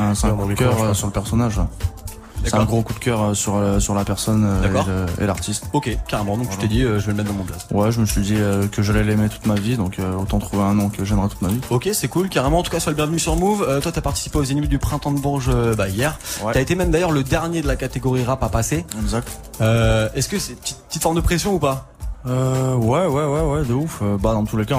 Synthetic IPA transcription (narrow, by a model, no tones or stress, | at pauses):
ɛ̃sɛ̃kũkœʁøsyʁləpɛʁsɔnaʒa | sɛt̪ɛ̃ɡʁokud̪̚kʲœʁøsyʁøsyʁlapɛʁsɔnød̪akɔʁøḛla̰ʁt̪ʰist̪okʲekaʁemɑ̃d̪ɔ̃kʒət̪ed̪iøʒəvələmɛt̪̚d̪ɑ̃mɔ̃plaswɛʒəməsɥid̪iøkəʒalɛlemet̪u̥t̪mavid̪ɔ̃kʰøot̪ɑ̃t̪χuveɛ̃nɑ̃kəʒɛmʁɛt̪u̥t̪maviokʲesɛkulkaʁemɑ̃ːt̪u̥kaswaləbjɛ̃vnysyʁmuvøt̪wat̪yapaʁt̪i̥si̥peozanimed̪ypχɛ̃t̪ɑ̃d̪əbuʁʒøbaijɛʁwyaet̪emɛmd̪ajœʁləd̪ɛʁnjed̪əlakat̪eɡɔʁiʁapapaseɛɡzak̚t̪ | øɛskəsɛpət̪it̪̚pət̪it̪fɔʁmd̪əpχesjɔ̃upa | øwɛwɛwɛwɛd̪əuføbad̪ɑ̃t̪uleka